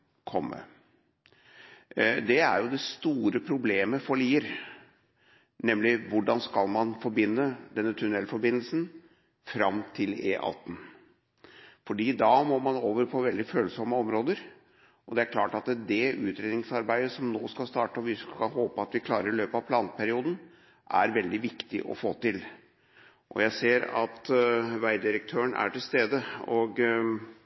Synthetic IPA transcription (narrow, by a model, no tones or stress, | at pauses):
kʰɔmːə̰ | d̪ɛæ̰ɾjʊd̪ɛst̪uːɾəpʰɾʊbleːməfɔɭiːəɾ | nɛmlɪʋʊɖɑnskɑlmɑnfɔɾbɪnːəd̪ɛnːət̪ʰʉnɛlfɔɾbɪnəlsən | fɾɑmt̪ʰɪlḛːʔɑ̰t̪n̩ | fɔɖiːd̪ɑmɔmɑnoːʋəɾpʰɔʋɛld̪ɪføːlsɔmːəɔmɾoːd̪əɾ | ʔɔd̪ɛæɾkʰlɑːʈɑt̪d̪ɛʉːt̪ɾeːd̪ɪŋsɑɾbæɪd̪əsɔmnoːskɑlst̪ɑːʈəɔʋɪkʰɑhoːpəɑt̪ʋɪkʰlɑːɾəɾɪløːpɑʋpʰlɑːnpʰæɾɪuːd̪n̩ | ʔæ̰ɾʋɛld̪ɪʋɪkt̪ɪ̰ʔɔ̰foːt̪ɪl | ʔɔ̰jæɪseːɾɑ̰t̪ʋæɪd̪ɪɾək̚t̪ʰøːəɳæ̰ʈɪlst̪eːd̪əɔɡ